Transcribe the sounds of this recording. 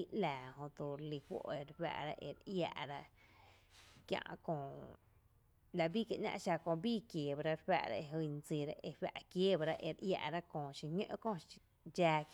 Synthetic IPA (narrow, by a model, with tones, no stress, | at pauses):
i˧ʔlaː˨hõ˧t̪u˧ɾli˧hʷo̰˧ʔe˧ɾɸa̰ː˧ʔɾa̰˦ʔḛ˧˨ɾʔja̰ː˧ʔɾa˦ʔ | kjã̰˧ʔkõː˧ | la˧bi˦ka˨ʔnɲã̰˧ʔʃa˧kõ˧biː˦˨kjeː˨ba˧ɾa˦˧ɾɸa̰˦˧ʔɾa̰˦e˧ɦu˧n˧t͡si˧˨ɾa˦ʔe˧ɸa˧ʔkjeː˦ba˧ɾa˦ʔe˧˨ɾʔja̰˧ʔɾa˦kõː˧˨ʃi˧ɲə̰̃˦˧ʔkõ˧ | d͡ʒaː˧